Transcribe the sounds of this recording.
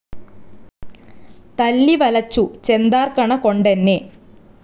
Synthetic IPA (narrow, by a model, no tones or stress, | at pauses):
t̪ɐlːiʋɐlɐt͡ɕːut͡ɕe̞nd̪aːrkɐɳɐko̞ɳɖenːe